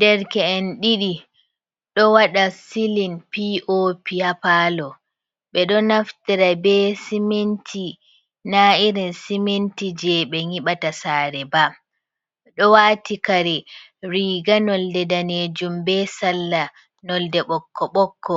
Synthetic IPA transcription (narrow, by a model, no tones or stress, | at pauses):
dɛɾkɛːnɗiɗi | ɗɔwaɗasilinpiʔopihapalɔ | ɓɛɗɔnaftiɾabɛsimentʰi | naiɾinsimentid͡ʒɛɓɛŋiɓatasaːɾɛba | ɗɔwaːtikaɾɛ | ɾiːɡanɔldɛdaneːd͡ʒumbɛsalːa | nɔldɛɓɔkʰːɔɓɔkʰːɔ